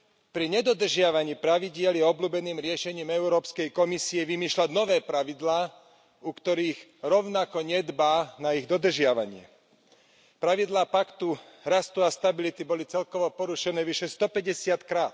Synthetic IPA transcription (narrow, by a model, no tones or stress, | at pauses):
pɾiɲɛd̪ɔd̪r̩ʒɪaʋaɲiːpɾaʋiɟɪɛljɛɔbluːbɛniːmɾɪɛʃɛɲiːmɛuɾɔːpskɛjkɔmisiɛʋimiːʃlaɟnɔʋɛːpɾaʋid̪laː | ukt̪ɔɾiːɣɾɔʊnakɔɲɛd̪baːnaiɣd̪ɔd̪r̩ʒɪaʋa̰ɲɪɛ̰ | pɾaʋid̪laːpakt̪u | ɾast̪uast̪abilit̪ibɔlit͡sɛlkɔʋɔpɔɾuʃɛnɛːʋiʃɛst̪ɔpɛɟɛsɪat̪kɾaːt̪̚